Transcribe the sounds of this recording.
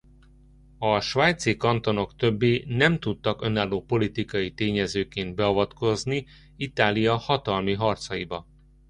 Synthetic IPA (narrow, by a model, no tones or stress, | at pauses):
ɒʃʋaːjt̪sikɒnt̪o̞no̞kt̪ø̞bːeːnɛmt̪ut̪ːɒkø̞naːlːoːpo̞lit̪ikɒjit̪eːɲɛzøːkeːnd̪̚bɛɒvɒt̪ko̞zni | it̪aːlijɒhɒt̪ɒlmiɦɒrt̪sɒjibɒ